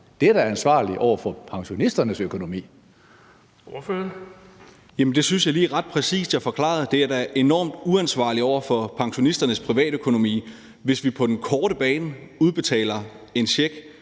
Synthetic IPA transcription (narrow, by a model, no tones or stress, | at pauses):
d̥ed̥æɐænsʋɑ̰̈ːliʔɒʊ̰ɐfɒ̽pʰɑ̈ŋɕo̝nisd̥ɐnəsøkʰo̝no̝mḭː | ofø | jæmnd̥e̝synsjɑ̈ɪliːʁɑ̈d̥̚pʰʁɛsḭːsd̥æɐfɒ̽kʰlɑ̰̈ð̩ˠd̥e̝æɐd̥ææɐʔe̝nɒ̰ːmd̥uænsʋɑ̰̈ːliɒʊ̰ɐfɒ̽pʰɑ̈ŋɕo̝nisd̥ɐnəspʰʁiʋɛ̰ːɾ̥økʰo̝no̝mḭː | ʋe̝sʋipʰɒ̽d̥enkʰɒːɾ̥əb̥ɛːnəuð̞ˠb̥e̝t͡sʰɛ̰ːlɐ | e̝nɕeɡ̥